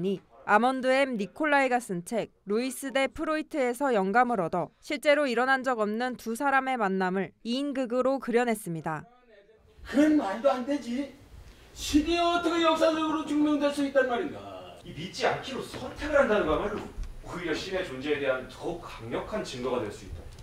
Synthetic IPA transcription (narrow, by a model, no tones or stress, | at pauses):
ɲiamʌndɯe̞mnikʰoɭːaiɡas͈ɯnt͡ɕʰe̞k̚ɾois͈ɯde̞pʰɯɾoitʰɯe̞sʰʌjʌŋɡamɯɾʌdʌɕʰiɭt͡ɕ͈e̞ɾoiɾʌnɦand͡ʑʌɡʌmnɯntusʰaɾame̞manːamɯɭiːnɡɯɡɯɾokɯɾjʌnɦe̞s͈ɯmɲida | kɯɾʌnmandoande̞d͡ʑi | ɕʰiditʰʌkʰejʌk̚s͈ʰad͡ʑʌɡɯɾot͡ɕuŋmjʌŋdweɭs͈uit̚t͈anmaɾinɡaimit͡ɕ͈iankʰiɾosʰʌtʰeɡɯɭɦandanɯnmamɯnkɯjʌɕ͈ine̞t͡ɕond͡ʑeːde̞ɦantʌkaŋɲʌkʰant͡ɕɯŋɡʌɡadwe̞ɭs͈uit̚t͈a